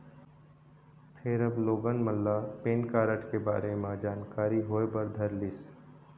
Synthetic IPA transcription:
pʰeɾɐbloːɡənməlːapeːnkaːɾəʈkeba̰ːɾemãd͡ʒaːnkaːɾiɦoːebɐɾd̪ʱɐɾlɪs

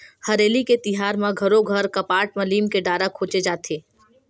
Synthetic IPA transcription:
hɐɾeːliket̪ɪɦaːɾmãɡʱɐɾõɡʱɐɾkɐpaːʈ̚mɐliːmkeɖaːɾakʰoːt͡ʃed͡ʒaːt̪ʰeː

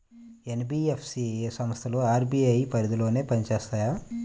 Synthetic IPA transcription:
enbiːepʰsiesɐmɐst̪ʰɐloːaːɾbiɐjpɐɾid̪ulo̞ːne̞ːpɐnit͡ʃeːst̪aːjaː

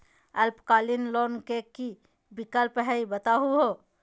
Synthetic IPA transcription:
əlpkalinlonkeki | bikəlpɦɛjbət̪aɦuɦo

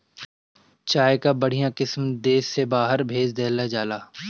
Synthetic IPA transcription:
t͡ʃaːekabɐɽ̤ijãqɪsmd̪eːsːebaːɦəɾbʱeːd͡ʒd̪eːlad͡ʒaːlaː

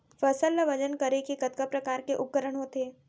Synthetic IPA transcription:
fɐsəlːəʋɐd͡ʒənkəɾekekət̪kəpɾɐkaːɾkeʔʊkːəɾəɳ̃ɦot̪eː

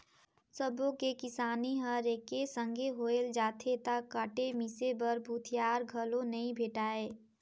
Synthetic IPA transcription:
səbõkekɪsaːniɦəɾeːkesə̃ŋɡʱeɦoːeld͡ʒaːt̪ʰet̪akːəʈemisebəɾbʱut̪ʰijaːɾɡʱəlõnɐĩbʱeːʈaːeː

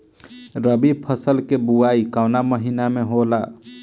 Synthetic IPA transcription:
ɾəbipʰəsəlkebuaikaʊnaməɦinameɦola

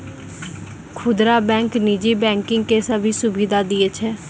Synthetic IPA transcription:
kʰʊd̪ɾaːbɛ̃ːŋkniːd͡ʒiːbɛ̃ːŋkɪŋɡkeːsəbʱiːsʊbiːd̪aːd̪iːet͡ʃʰɛː

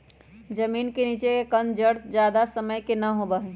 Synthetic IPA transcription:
d͡ʒəmiːnkeniːt͡ʃekekənd͡ʒəɽt̪d͡ʒjaːd̪asəməjkenəɦobəɦɛ

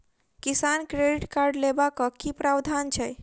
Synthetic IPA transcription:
kisankɾeɖiʈkaɾɖlebakɔkipɾabd̪ʱant͡ʃʰɛj

